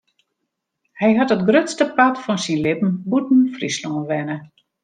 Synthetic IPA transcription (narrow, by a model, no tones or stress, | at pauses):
hɛjɦatɔtɡrøtstəpatfɔnsinlɪpn̩butn̩frislɔnʋɛnə